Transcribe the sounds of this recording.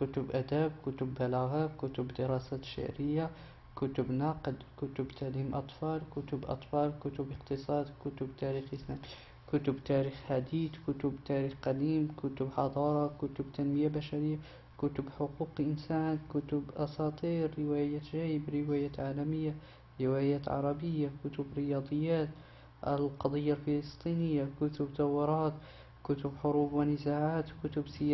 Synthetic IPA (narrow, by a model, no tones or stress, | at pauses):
kʊt̪ʊbʔæd̪æbkʊt̪ʊbːælaɣakʊt̪ʊbd̪əɾɑsæʃɪ̰ʕɾəjːa | kʊt̪ʊbnɑqəd̪kʊt̪ʊbt̪ʰaʕlimʔɑ̰t̪ˤfɑlkʊt̪ʊbʔɑ̰t̪ˤfɑlkʊt̪ʊbəqt̪əsˤɑːd̪kʊt̪ʊbt̪æɾixəsnæm | kʊt̪ʊbt̪æɾixħad̪iːd̪kʊt̪ʊbt̪æɾixqæd̪iːmkʊt̪ʊbħɑd̪ˤɑɾˤɑkʊt̪ʊbt̪ænməjabæʃaɾəjːa | kʊt̪ʊbħʊquːqʔɪnsaːnkʊt̪ʊbʔɑsɑːt̪ˤiːɾːɪwajaːt̪ʒæːjbɾɪwajaːt̪ʕaːlæmɪjːa | ɾɪwæjaːt̪ʕɑ̰ɾˤɑbəjːakʊt̪ʊbɾɪjɑd̪ˤɨjːaːt̪ | ʔa̰lqɑd̪ˤɨjːalfɪlɨst̪ˤinɪjːakʊt̪ʊbt̪ɑwːɪɾˤɑːt̪ | kʊt̪ʊbħʊɾuːbwɪnɪzaʕaːt̪kʊt̪ʊbsɪ